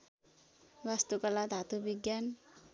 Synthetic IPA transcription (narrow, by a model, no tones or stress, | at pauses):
wast̪ukalat̪at̪ubiɡjan